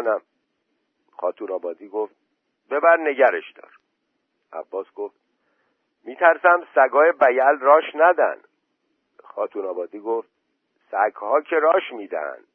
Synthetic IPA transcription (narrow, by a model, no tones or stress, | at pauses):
næm | xɒːt̪ʰuːnɒːbɒːd̪iːɡoft̪̚ | be̞bæɾne̞ɟæɾeʃd̪ɒ̰ːɾ | ʔæ̰bːɒːsɡ̥oft̪̚ | miːt̪ʰæɾsæmsæɡɒːjebæjælrɒːʃnæd̪æ̰nd̪ | xɒːt̪ʰuːnɒːbɒːd̪iːɡoːft̪̚ | sæɡhɒːcʰeɾɒːʃmiːd̪æ̰hæ̰nd̪̥